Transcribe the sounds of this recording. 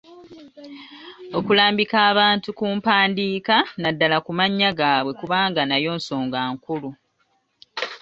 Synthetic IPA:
o̞kulaːmbikaːβaːntukuːmpaːndiːkanadːalakumaɲːaɡaːβwe̞kuβaːŋɡanajo̞ːnso̞ːŋɡaːŋkulu

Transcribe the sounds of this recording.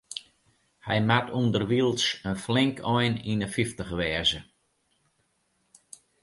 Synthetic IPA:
hɛ̰jmatundərʋiəlˠsənflɪŋkʰɔjninəfiftəxʋɛːzə

